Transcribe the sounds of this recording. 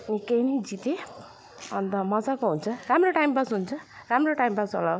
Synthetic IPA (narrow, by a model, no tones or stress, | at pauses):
nikejnʌjd͡zit̪e | ʌ̰nt̪ʌmʌd͡zakoɦunt͡sʰʌramroʈajmbasɦunt͡sʰʌramroʈajmbaso̰law